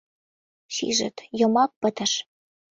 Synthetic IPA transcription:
sḭʒə̰t̪jɤ̆mɑk̚pə̆t̪ə̆ʃ

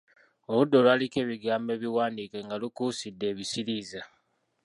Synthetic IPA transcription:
o̞βudːo̞lwaːlike̞ːβiɡaːmbe̞ːβiwaːndikeŋɡalukuːsidːe̞ːβisiɾiːza

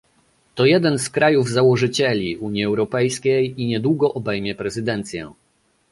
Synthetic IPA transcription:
t̪ɔjɛd̪ɛnskɾʔajuvzawɔʐɘt͡ɕɛlʲiuɲjiɛwɾɔpɛjskʲejiɲɛd̪wuɡɔʔɔbɛjmʲjɛpɾɛzɘd̪ɛnt̪sʲjɛ̰̃

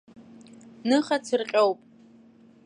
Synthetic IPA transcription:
nɨχat͡sʰɨrqʲʼowpʼ

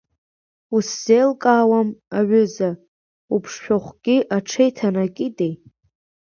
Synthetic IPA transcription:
usz̥ejlkʼaːwamaʕʏza | upʰʂħᶣoχʷɡʲiʔaʈ͡ʂʰejtʰanakʲʼɪtʼej

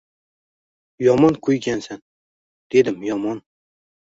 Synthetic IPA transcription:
jɒmɒnkʰɵjɡʲansan | d̪̥e̞d̪ɪmjɒmɒn

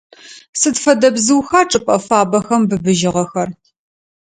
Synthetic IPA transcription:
sɨdfɐdɐbzɨwxaːʈ͡ʂʼɨpʼɐfaːbɐxɐmbɨbɨʒɪʁɐxɐr

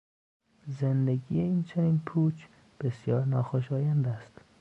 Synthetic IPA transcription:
zend̪eɡiːjeiːnt͡ʃʰeniːnpʰuːt͡ʃʰ | b̥esjɒːɾnɒːxoʃɒːjænd̪æst̪

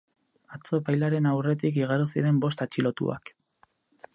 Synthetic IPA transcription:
at͡so̞pajlaɾe̞nawre̞t̪ik̬iɣaɾusiɾe̞mbo̞st̪at͡ʃilo̞t̪ṵa̰k

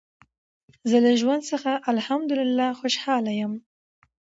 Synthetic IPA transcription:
zəlaʒwand̪səxaʔalhamd̪ʊlɪlːɑxoʃhɑlajəm

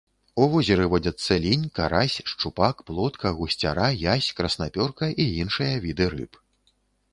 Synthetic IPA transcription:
uvɔzʲɛɾɨvɔd͡zʲɐt̪sːɐlʲinʲkaɾasʲʂt͡ʂupakplˠɔt̪kʰɐɣusʲt͡sʲa̰ɾajasʲkɾɐsnapʲɔrkɐʔiinʂɨjɐvʲid̪ɨɾɨ̰p

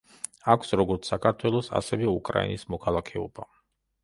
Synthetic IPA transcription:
akʰsɾɔɡɔɾt̪sakʰaɾt̪ʰwɛlˠɔsa̰sɛvɛukʼɾa̰ḭnismɔkʰalˠakʰɛɔba

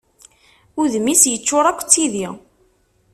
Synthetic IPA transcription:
ʊðmːisjət͡ʃːʊɾˤækʷːt͡sːiði

